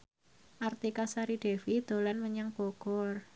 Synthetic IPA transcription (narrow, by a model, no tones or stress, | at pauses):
ʔart̪ikasaɾiɖ̥ɛ̤fid̪̥o̤lanməɲaŋb̥oɡ̥ɔr